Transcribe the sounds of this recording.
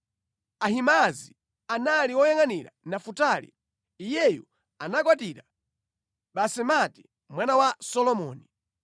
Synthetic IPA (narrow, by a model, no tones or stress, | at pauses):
ahimazi | analiwɔjaŋaniɾa̰nafutalḭ | ijɛjṵ | anakwatiɾa | ɓasɛmati̥ | mwanawasɔlɔmɔːni